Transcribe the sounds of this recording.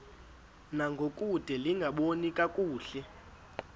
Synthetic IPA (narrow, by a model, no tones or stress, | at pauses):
naŋɡʱokʼud̥ʱɛliŋɡʱaɓonikʼakʼuːɬɛ